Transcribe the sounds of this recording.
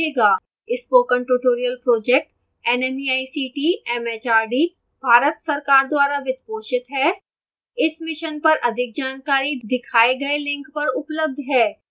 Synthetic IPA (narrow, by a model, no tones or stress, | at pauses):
eːɡaː | ɪspoːkə̃ɳʈuʈoːɾijəlpɾoːd͡ʒɛk̚ʈ | ɛnɛmiaːisiːʈiɛmɛːt͡ʃaːɾɖiː | bʱaːɾət̪sɐɾkaːɾd̪waːɾaʋɪt̪̚poːʃɪt̪ɦɛː | ɪsmɪʃənpɐɾʔɐd̪ʱɪk̚d͡ʒaːnkaːɾid̪ɪkʰaːeɡɐelɪ̃ŋkpɐɾʊpləb̚d̪ʱɦɛː